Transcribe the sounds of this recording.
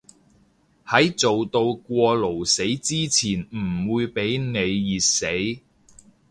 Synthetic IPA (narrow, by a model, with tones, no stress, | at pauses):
hɐ˨˥jt͡so˨wt̪o˧wkʷɔː˧lo˨˩wse˨˥jt͡siː˥t͡sʰiː˨˩nm̩˨˩wuː˨˧jpe˨˥jne˨˧jːiː˨t̚se˨˥j